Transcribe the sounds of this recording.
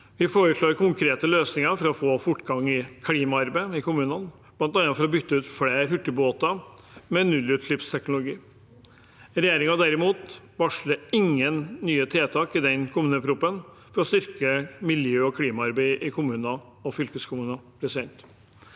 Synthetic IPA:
ʋɪfoːɾəʂɭoːɾkʰʊŋkʰɾeːt̪əløːsnɪŋɑɾfɔɾɑɔfoːfʊʈːɡɑŋːɪkʰliːmɑɑɾbæɪɪkʊmʉːnən | blɑnt̪ɑnɑfɔɾɔbʏt̪ːəʉːt̪fɽeːɾhʉʈːəboːt̪ɑ | mɛnʉlːʉt̪ʰlʏpst̪ʰɛknʊlʊɡiː | ɾɛjeːɾɪŋɑd̪æɾɪmuːt̪ | bɑʂləɪŋːənːyːət̪ʰeːt̪ʰɑːkɪd̪ɛnkʰʊmʉːnəpʰɾuːpːən | fɔɾɔst̪ʏɾkəmɪljøːɔkʰliːmɑɑɾbæɪʔɪkʰʊmʉːnɑ | ɔfʏlkəskʰʊmʉːnɑpʰɾɛsɪd̪ɛnt̪

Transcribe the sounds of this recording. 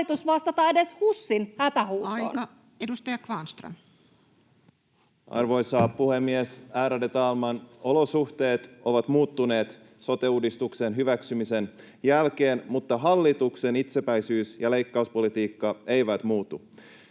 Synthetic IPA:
it̪usʋɑst̪ɑt̪ɑedeshusːinhæt̪æɦuːtːo̰nɑ | edust̪ɑjɑkʋɑːnst̪ro̰n | ɑ̰rʋo̞jsɑːpuhe̞mːiesæːɾædet̪ɑːlmɑno̞losuht̪e̞ːt̪ʔo̞ʋɑt̪muːt̪ːune̞ːt̪ | so̞t̪euːdist̪uksenɦyʋæksymise̞n | jælk̟eːnmut̪ːɑɦɑlːit̪uksenit̪sepæjsyːsjɑle̞jkːɑuspolit̪iːkːɑeiʋæt̪muːt̪u

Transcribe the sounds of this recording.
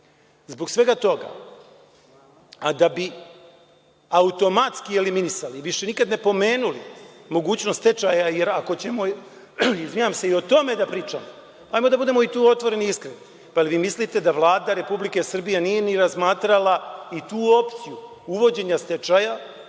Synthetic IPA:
zbo̞ɡsʋe̞ɡat̪o̞ɡa̰ | ad̪abi | aut̪o̞mat̪skieliminisaliʋiʃe̞nikad̪ne̞po̞me̞ːnulimo̞ɡuːt͡ɕnost̪t̪et͡ʃajajeɾako̞t͡ɕe̞mo̞ | izʋijaːmse̞io̞t̪o̞me̞d̪apɾiːt͡ʃamo | aːjmod̪abud̪e̞mo̞it̪uːo̞t̪ʋo̞ɾe̞niiskɾeni | paliʋiːmislit̪e̞d̪aʋlˠaːd̪aɾe̞publike̞sr̩bijenije̞niɾazmaːt̪ɾalˠait̪uːo̞pt̪siju | uʋo̞d͡ʑe̞ɲast̪et͡ʃaja

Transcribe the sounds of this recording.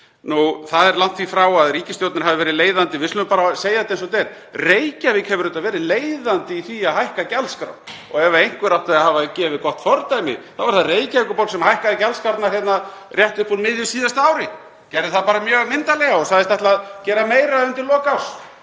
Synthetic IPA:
nuθaðɛɾlan̥t̪ʰfifɾawaðriːcɪst̪jowt̪naɾ̥havɪvɛːɾɪleːjðant̪ɪvɪslʏmpaːɾaseːjaðɪt̪ejns̬ɔt̪̬ɛɾ | rejcavɪkhɛvʏɾʏnt̪avɛːɾɪleːjðant̪ɪiθiaɦajhkacɛlskɾa̰wn | ɔ̰ɣɛvaejŋ̥kvʏɾawht̪aðahaːvacɛːvɪkɔht̪fɔɾt̪ajmɪ̰θavaɾ̥θaðreːjcavikʏpowlsɛmhajhkaðɪcɛlskawɾt̪nḁhjɛt̪narjɛht̪ʏhpulmɪðjʏsiːðast̪aaːwɾɪ | cɛjɾðɪθaðpaːɾamjœːɣmɪnt̪alɛɣaɔsaðɪst̪ɛht̪laːðcɛːɾamejɾaʏmt̪ɪɾlɔːkaws

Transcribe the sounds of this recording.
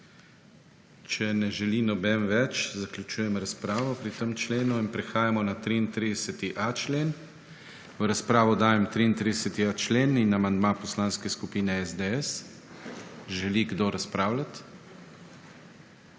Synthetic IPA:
t͡ʃɛnɛʒɛlinɔbɛmʋɛt͡ʃzaklʲjut͡ʃuːjɛmɾaspɾaːʋɔpɾit̪əmt͡ʃleːnuinpɾɛxaːjamɔnat̪ɾiːnt̪ɾid̪ɛsɛt̪iʔat͡ʃleːn | ʋəɾaspɾaːʋɔd̪aːjɛmt̪ɾiːnt̪ɾid̪ɛsɛt̪iat͡ʃleːninamand̪mapɔslaːnskɛskupiːnɛɛzd̪eɛs | ʒɛliɡd̪oɾaspɾaːwlat̪

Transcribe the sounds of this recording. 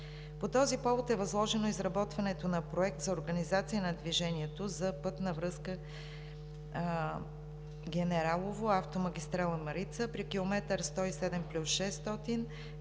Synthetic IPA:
pot̪ɔzipɔvot̪ɛvɐzlˠɔʒɛnoizɾɐbɔt̪vɐnɛt̪onɐpɾoɛk̚t̪zɐoɾɡənizat̪siənɐd̪viʒɛniɛt̪ozɐpɤt̪nɐvɾɤskə | ɡʲɛnɛɾalˠovoaft̪omɐɡʲist̪ɾalˠəmɐɾit̪səpɾikilˠomɛt̪əɾst̪ɔisɛd̪ɛmplʲusʃɛst̪ɔt̪in

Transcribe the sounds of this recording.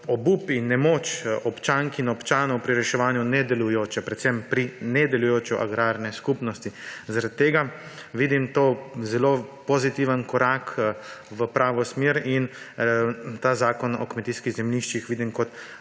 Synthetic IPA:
ɔbupinːɛmoːt͡ʃɔpt͡ʃaŋkinɔpt͡ʃaːnɔwpɾiɾɛʃɛʋaːnjunɛd̪ɛlujoːt͡ʃɛpɾɛt̪sɛmpɾinɛd̪ɛlujoːt͡ʃɔʔa̰ɡɾaːɾnɛskupnɔst̪izaɾad̪̚t̪ːeːɡa | ʋid̪imt̪oːzɛloːpozit̪iʋənkɔɾakʋəpɾaːʋɔsmeːɾin | t̪aːzaːkɔnɔ̰kmɛt̪iːskiɣzɛmliʃt͡ʃixʋiːd̪imkɔt̪

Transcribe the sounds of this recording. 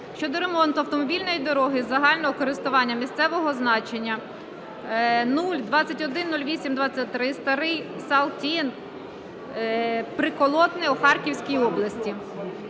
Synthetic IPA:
ʃt͡ʃɔd̪ɔɾe̞mɔnt̪ʊɐwt̪ɔmɔbʲilʲnɔjid̪ɔɾɔɦɪzɐɦɑlʲnɔɦɔkɔɾɪst̪ʊʋɑnʲːɐmʲist̪sɛʋɔɦɔznɑt͡ʃenʲːɐ | nulʲd̪ʋɑt͡sʲːɐtʲɔd̪ɪnːulʲʋʲisʲimd̪ʋɑt͡sʲɐt̚ʲt̪ɾɪst̪ɐɾɪjsɐlˠtʲin | pɾɪkɔlˠɔt̪nɪɔxɑrkʲiwsʲkʲijɔblˠɐsʲtʲi

